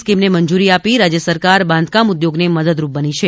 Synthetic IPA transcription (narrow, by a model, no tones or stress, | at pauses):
skimneməɲd͡ʒuɾiapiɾad͡ʒjəsəɾkaɾbãnd̪kamud̪joɡneməd̪əd̪ɾup̚bənit͡ʃʰe